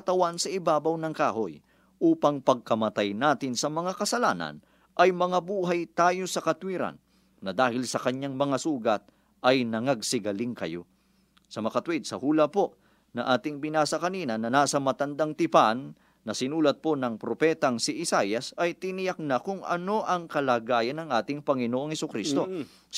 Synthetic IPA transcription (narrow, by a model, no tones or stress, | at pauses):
kɐt̪ɐwansɐʔɪbaːbɐwnɐŋkaːho̞j | ʔuːpɐŋpɐɡ̚kɐmɐt̪ajnaːt̪ɪnsɐmɐŋakɐsɐlaːnɐ̰n | ʔɐjmɐŋabuːɦajt̪aːjo̞sɐkɐt̪wiːɾɐ̰nː | ɐd̪aːhɪlsɐkɐɲaŋmɐŋasuːɡɐt̪̚ | ɐjnɐŋɐɡsɪɡɐlɪŋkɐ̰jo̞̰ | sɐmɐkɐt̪wɛd̪̚sɐhuːlɐpo̞ | nɐŋʔaːt̪ɪŋbɪnaːsɐkɐniːnɐnɐnaːsɐmɐt̪ɐnd̪aŋt̪ɪpanː | ɐsɪnuːlɐt̪̚po̞nɐŋpɾopɛːt̪ɐŋsɪʔɪsajɐsɐjt̪ɪnɪjak̚nɐkʊŋʔɐ̰no̞ʔɐŋkɐlaːɡaːjɐnːɐŋʔaːt̪ɪŋpɐŋɪnoːʔoŋhɛsʊkɾist̪o̞